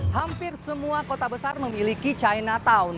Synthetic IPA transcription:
hampɪrsəmuakot̪abəsarməmilikit͡ʃajnat̪aʊn

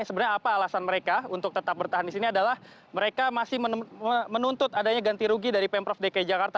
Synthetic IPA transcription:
səbənaɲaːpaːlasanməɾekaunt̪ʊk̚t̪ət̪ap̚bərt̪aɦandisiniadalah | məɾekamasɪhməəmənunt̪ʊt̪adaɲaɡant̪iɾuɡidaɾipɛmpɾɔfdekad͡ʒakart̪a

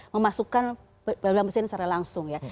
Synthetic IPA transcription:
məmasukan | badulaŋbəsɪnsaɾalaŋsʊŋja

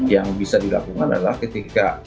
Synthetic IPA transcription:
jaŋbisadila̰kuŋanda̰ala̰hkət̪ika

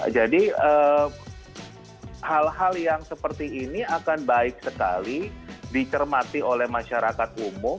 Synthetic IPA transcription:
d͡ʒadiə | halɦaljaŋsəpərt̪iːniakanbaɪk̚səka̰lidit͡ʃərmat̪iolɛhmaʃaɾakat̪̚umʊm

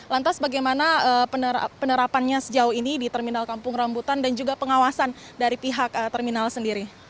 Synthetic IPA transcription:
lant̪asbaɡajmanaəəə̰pənəɾapanɲasəd͡ʒaʊhinidit̪ərminalkampʊŋrambut̪andand͡ʒuɡapəŋawasan | daɾipiɦak̚ət̪ərminalsəndiɾi

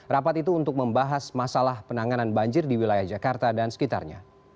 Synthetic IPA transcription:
rapat̪it̪̬uːnt̪ʊk̚məmbaɦasmasalahpənaŋananbaɲd͡ʒɪrdiwilajahd͡ʒakart̪adansə̥kit̪a̰rɲa

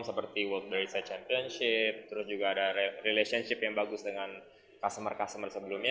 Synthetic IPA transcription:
msəpərt̪iwɔlt̪̚baisat͡ʃɛmpiɔnʃɪp̚t̪əɾʊsd͡ʒuɡaːdarilesiɔnʃɪpjaŋbaɡʊsdəŋan | kast̪əmərkast̪əmərsəbəlumɲa

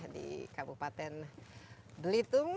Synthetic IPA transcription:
dḭkabupat̪ɛn | bəlit̪ʊŋ

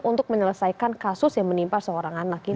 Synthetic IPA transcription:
unt̪ʊk̚məɲələsaikankasʊsjaŋmənimpasəoɾaŋanak̚i

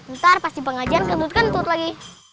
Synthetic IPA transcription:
ənt̪arpast̪ipəŋad͡ʒankədut̪̚kant̪ut̪laɡi

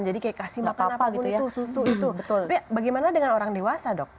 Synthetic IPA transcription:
nd͡ʒadikajakasimapnaapʊnitt̪ususuit̪ubət̪ʊlapibaɡajmanadəŋanoɾaŋdewasadɔk̚

